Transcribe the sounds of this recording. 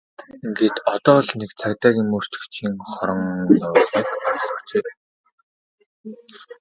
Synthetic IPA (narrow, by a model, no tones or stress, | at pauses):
iŋɡeːt̪ɔt̪ɔːɮnekt͡sʰakt̪aːɣʲiːmɵr̥t͡ɕɵ̥̆kt͡ɕʰiːŋχɔɾɞ̆ŋt̪ɔwːɮniːkaʊt͡seːp̪ː